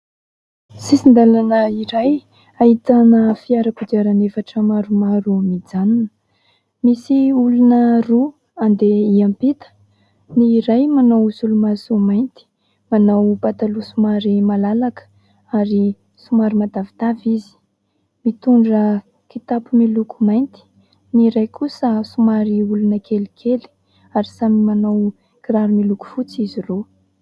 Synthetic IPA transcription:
sisind̪alanəiɾaj | ait̪anəfiaɾakud̪iaɾanefaʈ͡ʂəmaɾumaɾumid͡zanunə | misiulunəru | and̪eiampit̪ə̥ | niːɾajmanawsulumasumajnt̪i̥ | manawbat̪alusumaɾimalalakə̥ | aɾi | sumaɾimad̪avit̪avizi̥ | mit̪uɳɖ͡ʐə | kit̪apumilukʰumajnt̪i̥ | niɾajkʰusəsumaɾiulunəkʰelikʰeli̥ | aɾisamimanaw | kiɾaɾumiluku̥fut͡siziro

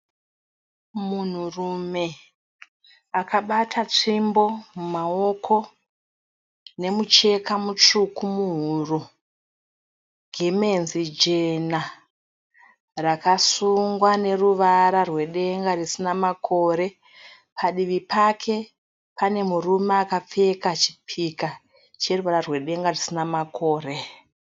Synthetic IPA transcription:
mun̤urume̞ | akaɓatʰat͡ʂimbo̞mumao̞kʰo̞ | ne̞mut͡ʃe̞kʰamut͡ʂukumuɦuru | ɡʱeme̞nzid͡ʒe̞na | rakasuŋɡwane̞ruʋaɾarwe̞ɗe̞ŋɡarisinamakʰo̞ɾe̞ | pʰaɗiʋipʰakʰe̞ | pane̞murumeaːkap͡fe̞kat͡ʃi̥pʰika | t͡ʃe̞ruʋaɾarwe̞ɗe̞ŋɡarisinamako̞ːre̞

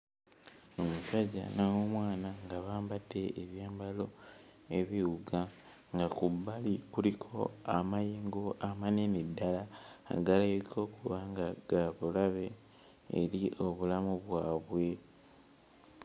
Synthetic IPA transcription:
omusaɟa̰nawomwaːnaŋɡaβaːmbadːe̞ʔːβjaːmbalo̞ | e̞βiwuɡa | ŋɡakubːalikulikʰo̞amajeːŋɡoamanenedːala̰ːɡalakʰo̞ːkuβaŋɡaɡ̥aβulaβe̞ː | ɾiʔo̞βulamuβwaːβwe̞

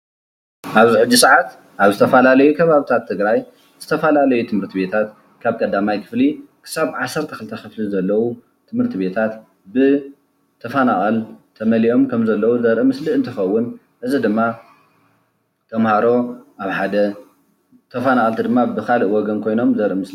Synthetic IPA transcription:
ʔaβziħɨd͡ʒːisɨʕat̪ | ʔaβzɨt̪ʰɐfɐlalɐjukʰɐβaβit̪ʰat̪ʰːɨɡɾaj | z̥ɨt̪ʰɐfɐlalɐjut̪ʰɨmhɨɾt̪ʰiβe̞t̪ʰat̪ | kʰaβkʼɐd̪amajkʰɨ̥flikʰɨ̥saβʕasːɐɾt̪ʰɐ̥xɨlɨt̪ʰɐxɨflizɐlːɐwu | t̪ʰɨmhɨɾt̪ʰiβe̞t̪ʰat̪ | bɨ | t̪ʰɐfanaχʼɐlt̪ʰɐmɐliʔo̞mkʰɐmzɐlːɐwuzɐɾʔɨmɨsliʔɨnt̪ʰɨxɐwːʊn | ʔɨzid̪ɨmːa | t̪ʰɐmhaɾo̞ʔaβħad̪ɐ | t̪ʰɐfanaʔʼɐlt̪ʰid̪ɨmːabɨkalɨʔwɔɡɐnkʰo̞jno̞mzɐɾʔɨmɨsli

